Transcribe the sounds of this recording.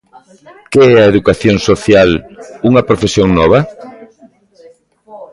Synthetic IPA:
keɛɐeðukaθjoŋsoθjaluŋɐpɾofesjoŋnɔβ̞ɐ

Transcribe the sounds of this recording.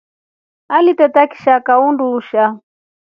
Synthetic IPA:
alitɛtaki̥ʃakaunduʃa

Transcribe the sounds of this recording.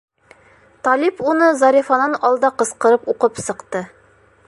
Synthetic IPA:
t̪ɑlʲipunɤzɑɾʲifɑnɑnɒlˠd̪ɑqɤ̆sqɤ̆ɾɤpuqɤpsɤ̆qt̪ɤ

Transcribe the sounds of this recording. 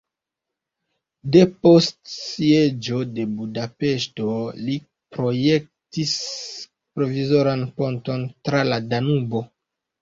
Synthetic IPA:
de̞po̞stssied͡ʒo̞de̞budape̞ʃto̞li | pɾo̞je̞k̚tis | pɾo̞vizo̞ɾanponto̞ntɾaladanubo

